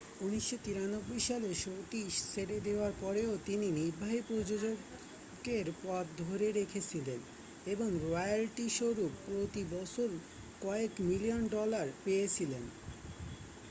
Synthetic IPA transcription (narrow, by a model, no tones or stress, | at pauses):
uniʃːot̪iɾanobːojʃaleʃoʈiʃsʰeɾed̪eoaɾpɔɾeot̪ininiɾbʱaɦipoɾd͡ʑod͡ʑoɡ | ɡeɾpɔt̪̚d̪ʱoɾeɾekʰet͡ɕʰilen | eboŋɾɔjalʈiʃoɾupːɾot̪ibɔt͡ɕʰoɾ | kɔekmilionɖɔlaɾpejet͡ɕʰilen